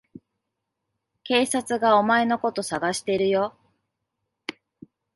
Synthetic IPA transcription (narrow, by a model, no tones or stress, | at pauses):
ke̞ːsat͡sɨɡao̞mae̞no̞ko̞t̪o̞saɡaɕi̥t̪e̞ɾɯ̟jo̞